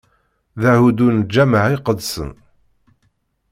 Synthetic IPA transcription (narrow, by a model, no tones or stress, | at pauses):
ðahud̪und͡ʒæməʕiqəd̪sə̰n